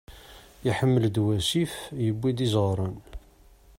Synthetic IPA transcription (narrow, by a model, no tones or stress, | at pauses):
iħəmːəld̪wæsifjəbːid̪izʁɾˤən